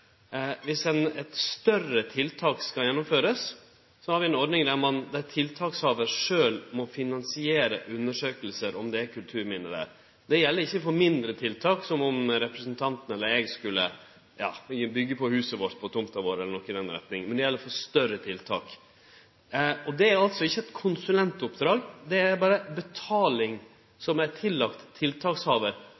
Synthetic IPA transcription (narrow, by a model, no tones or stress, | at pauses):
ʋɪsɛnɛt̪st̪œrət̪ʰɪlt̪ʰɑːkskɑljɛnːʊmføːɾəs | sɔhɑɾʋɪɛnɔɾɖnɪŋd̪æɾmɑnd̪æɾt̪ʰɪlt̪ʰɑːkshɑːʋəɾʂøːlmɔfɪnɑnsɪeːɾəʔʉnːəʂøːkəlsəɾɔmd̪ɛæɾkʰʉlt̪ʰʉːɾmɪnːəd̪æ̰ːɾ | d̪̥ɛjɛlːəɾɪçːəfɔɾmɪnd̪ɾət̪ʰɪlt̪ʰɑːksɔmɔmɾɛpɾəsənt̪ʰɑnt̪ən̩ɛlːəɾɛɡskʉlːə | jɑ̰ːbʏɡːəpɔhʉːsəʋoːʈ̪pʰɔt̪ʊmt̪ɑʋoːɾɛlːənɔkːɪnɛnɾɛ̰t̪nɪŋmɛnd̪ɛjɛlːəɾfɔɾst̪œɾət̪ʰɪlt̪ʰɑːk | ɔd̪ɛæɾɑlt̪sɔɪçːəɛt̪kʰʊnsʉlɛnt̪ʊpd̪ɾɑːɡd̪ɛæɾbɑːɾəbɛt̪ʰɑːlɪŋ | sɔmæɾtʰɪlːɑkt̪ʰːɪlt̪ʰɑːkshɑːʋəɾ